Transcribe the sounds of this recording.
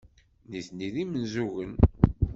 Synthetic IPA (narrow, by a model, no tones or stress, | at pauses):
niθniðimənzuʝən